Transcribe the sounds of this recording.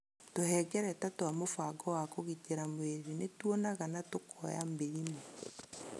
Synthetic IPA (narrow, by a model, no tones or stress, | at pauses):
tohɛɡɛɾɛtatoamofaɡɔwakoɣit͡ʃeɾamweɾinetwɔnaɣanatokɔjambeɾimo